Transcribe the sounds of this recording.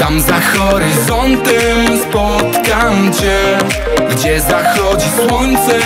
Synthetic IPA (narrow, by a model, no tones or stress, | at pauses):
t̪amzaxɔɾɪzɔnt̪ɛmspɔt̪kamt͡ɕɛ | ɡd͡ʑɛzaxɔd͡ʑiswɔnt̪sɛ